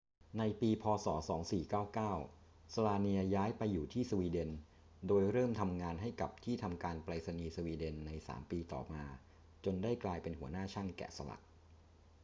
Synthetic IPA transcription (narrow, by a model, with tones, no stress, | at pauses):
na˧jpiː˧pʰɔː˧sɔ̰ː˩˦sɔ̰ː˩˦ŋsiː˨˩kaː˥˩wkaː˥˩w | sa˧laː˧ni˧ɐjaː˦˥jpa˧jːuː˨˩t̪ʰiː˥˩su˧wiː˧de˧n | doː˧jɾɤː˥˩mt̪ʰa˧mŋaː˧nɦa˥˩jka˨˩p̚t̪ʰiː˥˩t̪ʰa˧mkaː˧npɾaː˧sa˧niː˧su˧wiː˧de˧nːa˧jsa̰ː˩˦mpiː˧t̪ɔ̰ː˨˩maː˧ | t͡ɕo˧ndaː˥˩jklaː˧jpe˧nhu˩˦ɐnaː˥˩t͡ɕʰa˥˩nkɛ̰ː˨˩sa˧la̰˨˩ʔ̚